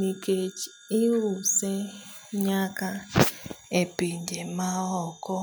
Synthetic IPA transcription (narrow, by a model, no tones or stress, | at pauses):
iked͡ʒiuse | ɲaka | epindɛmaɔkɔ